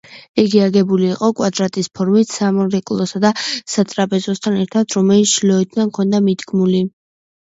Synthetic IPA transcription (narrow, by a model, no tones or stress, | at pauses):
iɡiaɡɛbuliːqʼɔkʼwad̪ɾat̪ʼispʰɔɾmit̪ʰsamɔɾɛkʼlˠɔsad̪asat̪ʼɾapʼɛzɔst̪ʰanɛɾt̪ʰad̪ɾɔmɛlit̪sʃlɔɛt̪ʰd̪ankʰɔnd̪amid̪ɡmuli